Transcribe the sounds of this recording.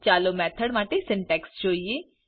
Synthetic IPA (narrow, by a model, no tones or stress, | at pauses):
t͡ʃaːlomɛːt̪ʰəɽʋãːʈesɪɳʈɛːkst͡ʃoːie